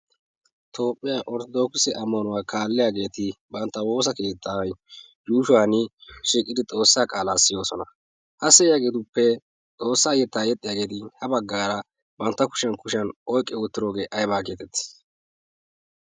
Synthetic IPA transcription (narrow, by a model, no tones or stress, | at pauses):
t̪ʰo̞ːpʼːɪjaːʔɔɾt̪ɔd̪o̞ːksɛʔɐmːɐnʊwaːkʰaːlːɪjaːɡe̞ːt̪ɪbɐnt̪ːɐwo̞ːs̬ɐke̞ːt̪ʰːaj | juːʃʊwaːnɪʃiːkʼːɪd̪ɪt͡s̪ʼo̞ːsːaːkʼaːlaːsɪjo̞ːsɔnɐ | hɐsɛjaːɡeːt̪ʊpːɛ | t͡sʼo̞ːsːaːjɛt̪ːaːjɛt̪ʼːɪjaːɡe̞ːt̪ɪhɐbɐɡːaːɾɐ | bɐnt̪ːɐkʊ̥ʃɐnkʊʃɐnʔɔjkʼːɛʊt̪ːɪɾoːɡe̞ːʔɐjbaːke̞ːt̪ɛt̪ːɪ̥